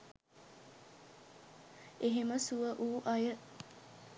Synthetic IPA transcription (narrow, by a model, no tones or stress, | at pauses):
eɦeməsuʋəʔuːʔɐjə